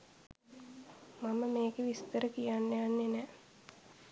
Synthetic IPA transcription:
maməmeːɡeʋist̪əɾəkijanːejanːenɛː

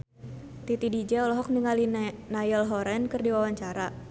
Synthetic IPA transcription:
t̪it̪idid͡ʒɛɔlɔɦɔk̚niŋalinajɔlɦɔɾɛnkɨrdiwawaɲt͡ʃaɾa

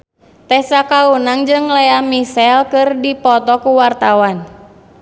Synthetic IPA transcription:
t̪ɛsakaunaŋd͡ʒɨŋlɛamisɛlkɨrdipɔt̪ɔkuwart̪awan

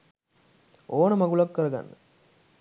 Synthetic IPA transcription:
oːnəmɐɡulɐkːəɾɐɡɐ̰nːə

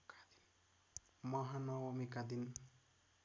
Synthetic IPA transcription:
kad̪in | mʌɦanʌwʌmikad̪in

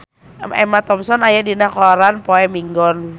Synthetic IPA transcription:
ɛ̰mat̪ɔmsɔnajadinakɔɾanpɔɛmiŋɡɔn

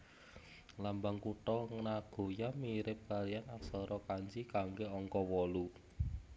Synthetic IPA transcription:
lambaŋkuʈɔŋənaɡ̥o̤jamiɾɪp̚kalianaksɔɾɔkaɲd͡ʒikaŋɡeɔŋkɔwɔlu

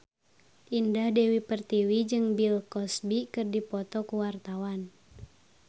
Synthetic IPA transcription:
ʔindahdɛwipərt̪iwid͡ʒɨŋbilkɔsbikɨrdipɔt̪ɔkuwart̪awan

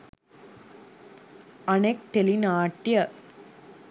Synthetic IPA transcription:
ɐnek̚ʈelinaːʈːjɐ

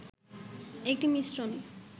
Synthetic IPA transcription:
ek̚ʈimisɾoni

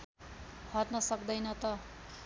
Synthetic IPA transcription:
hʌtnʌsʌkd̪ʌjnʌt̪ʌ

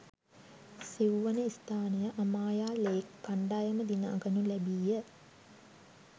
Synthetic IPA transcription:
siwʋənəist̪aːnejəʔamaːjaːleːkːaɳɖaːjəməd̪ina̰ːɡənulɛbijə

